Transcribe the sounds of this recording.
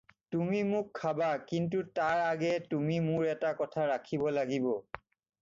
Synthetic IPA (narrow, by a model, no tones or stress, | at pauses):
tumimʊkʰːabakintutaɹaɡɛtumimʊɹɛtakɔtʰaɹakʰibɔlaɡibɔ